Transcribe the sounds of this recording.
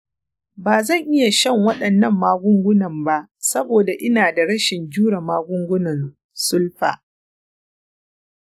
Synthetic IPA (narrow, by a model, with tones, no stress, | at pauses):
baː˨zɐ˦˨ŋʔɪ˦ja˨ʃɐ˦˨ŋwɐ˦ɗɐ˨nːɐ˦˨mːaː˦ɡʷʊ˦ŋɡʷʊ˦nɐ˨mba˦ʔsɐ˦boː˨da˨ʔɪ˦naː˨da˨ɽɐ˦ʃɪ˨nd͡ʒuː˦ɽɐ˨maː˦ɡʷʊ˦ŋɡʷʊ˦nɐ˨n | sʊ˦lɸa̰ː˨